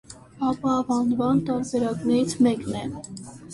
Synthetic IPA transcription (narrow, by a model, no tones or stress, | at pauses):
ɑpɑvɑnvɑnt̪ɑɾbɛɾɑknɛɾit͡sʰmɛknɛ